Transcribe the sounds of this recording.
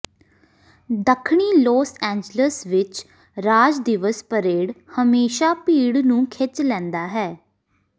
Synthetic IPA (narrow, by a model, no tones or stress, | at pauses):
d̪əkʰɳiːloːsɛ̃ːɲd͡ʒləsʋɪt͡ʃ | ɾaːd͡ʒd̪ɪʋəspəɾeːɽhəmeːʃaːpiːɽnũːkʰɪt͡ʃlɛ̃ːnd̪aːɦɛː